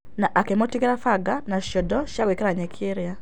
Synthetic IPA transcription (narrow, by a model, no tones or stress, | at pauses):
naʔakɛmɔtiɡɛɾafaɡanaʃɔdɔʃakwekeɾaɲɛkʰeɾja